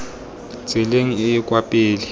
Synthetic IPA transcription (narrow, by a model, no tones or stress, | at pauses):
t͡sɪleŋ̩ɪːkʼwapʼeːli